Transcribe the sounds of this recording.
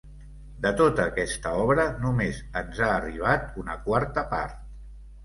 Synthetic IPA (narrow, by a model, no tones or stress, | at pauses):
d̪ət̪ot̪əːkɛst̪əɔβɾənumezənzaːriβ̞at̪unəkwaɾt̪əpa̰ɾt̪̚